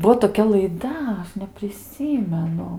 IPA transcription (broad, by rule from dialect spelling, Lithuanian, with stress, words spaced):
ˈbuɔ toːˈkʲɛ lˠɐɪˈdɐ ˈɐʃ nʲɛpʲrʲɪˈsʲiːmʲɛnʊ